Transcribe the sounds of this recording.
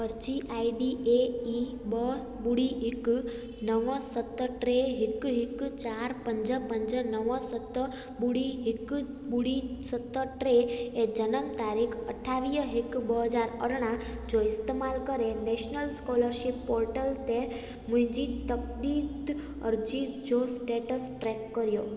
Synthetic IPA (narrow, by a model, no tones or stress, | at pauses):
əɾd͡ʒiʔaiɖiei | bə | buɽiɦɪk | nəʋə̃sət̪ːəʈɾeɦɪkɦɪkt͡ʃaɾpəɲd͡ʒəpəɲd͡ʒənəʋə̃sət̪ːə | buɽiɦɪk | buɽisət̪ːəʈɾeed͡ʒənəmt̪aɾikʰəʈʰːaʋijəɦikbəɦəd͡ʒaɾə̰ɽɳ̃ãd͡ʒoɪst̪emalkəɾenɛʃnəlskɔləɾʃipːɔɾʈəlt̪e | mud͡ʒit̪ək̚d̪id̪ | ə̰ɾd͡ʒid͡ʒosʈeʈəsʈɾɛkːəɾjo